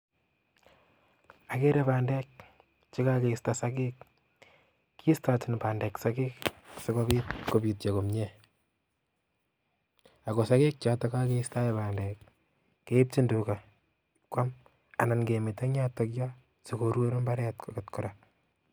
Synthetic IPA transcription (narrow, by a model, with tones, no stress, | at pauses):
a˨ke˦ɾe˦βaː˨nde˦k | t͡ʃi˦ka˦keistasa˦kik̚ | iː˦sta˨tɪ˨npaː˨ndeksa˦ki˦ksikoβitko˨bi˨t̚t͡ʃo˨ko˨mɲe | a˨ko˨sa˦ki˦k̚t͡ʃata˦ka˦ke˦ista˦jeβaː˨ndekː | e˦i˦p̚ti˦ndu˨ka | kwa˦m | a̰˨na˨nɡe˨mi˨te˦ɲa˦to˦kja | si˨ko˨ɾwo˦ɾmba˦ɾɛ˦tkʰokɪ˨tku˨ɾa